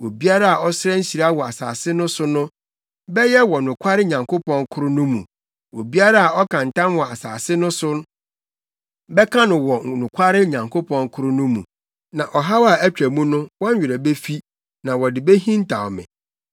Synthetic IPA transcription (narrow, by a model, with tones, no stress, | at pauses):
wo˨bi˦a˦ɾa˦a˨ʔɔ˦sɪ˦ɾɛ˦ɲ̩˦ɕi˨ɾa˦a˦wɔ˨a˨sa̰ː˨sɪ˦nʊ̃˦sʊ˦nʊ̃˦ | bɛ˦jɛ˦wɔ˨nʊ̃˨kʷʰa˦ɾɪ˦ɲã˨ŋko˦pɔ̃˦ŋkʰʊ˦ɾʊ˦nʊ̃˦mũ˨ | wo˨bi˦a˦ɾa˦a˨ɔ˦kʰã˨n˨tã˦nwɔ˨a˨sa̰ː˨sɪ˦nʊ̃˦sʊ˦ | bɛ˦kʰã˦nʊ̃˨wɔ˨nʊ̃˨kʷʰa˦ɾɪ˦ɲã˨ŋkʰo˦pʰɔ̃˦ŋkʰʊ˦ɾʊ˦nʊ̃˦mṵ̃˨ | nã˨ʔɔ˨ɦa˦wa˨æ˦t͡ɕᶣɾæ˨mũ˦nʊ̃˦wɔ˦ɲ̩˦ɥᶣɪ˨ɾa˨be˦fi˦ | nã˨wɔ˨dɪ˨be˦ɦĩ˦n̩˦tʰa˨wɔ˨mɪ̰̃˨